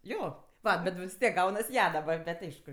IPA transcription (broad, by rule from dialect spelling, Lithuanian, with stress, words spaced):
ˈjoː ˈʋɐ bʲɛt ʋʲɪs ˈtʲiɛk ˈɡɐʊnɐs ˈjɛ dɐˈbɐr bʲɛtʲ ˈɐɪʃkʊ